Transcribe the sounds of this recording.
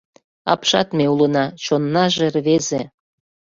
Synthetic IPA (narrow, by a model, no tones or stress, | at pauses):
ɑ̰pʃɑt̪meulənɑt͡ɕonːɑʒerβeze